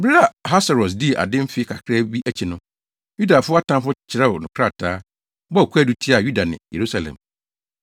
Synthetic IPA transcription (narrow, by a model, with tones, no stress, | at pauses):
ba˨ɦa˦sa˨ɾɔ˨s̬di˦˨ʔa̰˨dɪ̃˦m̩˦fɪ˦kʰa˨kʰɾa˦bi˦ʔæ˦t͡ɕʰi˨nʊ̃˦ | ju˦da˨fʊ˦a˦tʰã˦mfʊ˦t͡ɕʰɪ˨ɾɛ˦ʊ˨nʊ̃˨kʰɾa˦˨tʰaː˨˦ | bɔ˦˨kʰu˦æ˦du˨tʰi˦a˨ju˦da˨nɪ̰̃˨jḛ˨ɾu˦sa˨lɛ̰̃˨m